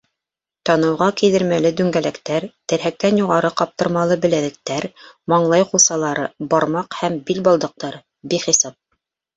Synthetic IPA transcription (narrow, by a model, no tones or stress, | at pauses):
t̪ɑnɤ̆wʁɑkiðɘ̆ɾmælɘd̪ʉŋɡælækt̪æɾt̪ɘ̆ɾɦæk̚t̪ænjuʁɑɾɤqɑp̚t̪ɤ̆ɾmɑlˠɤbɘ̆læðɘ̆k̚t̪æɾmɑɴlˠɑjqusɑlˠɑɾɤbɑɾmɑqhæmbilbɑlˠd̪ɤ̆q̚t̪ɑɾɤ | biχisɑp̚